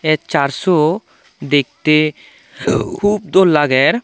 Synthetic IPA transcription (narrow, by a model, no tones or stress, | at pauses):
ɛt͡ʃaɾsɔ | d̪ek̚t̪e | kʰub̚d̪olːaɡɛɾ